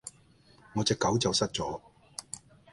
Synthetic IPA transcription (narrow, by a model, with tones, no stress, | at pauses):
ŋɔː˨˧t͡sɛː˧kːɐ˨˥wt͡sɐ˨wsɐ˥t̚t͡sɔː˨˥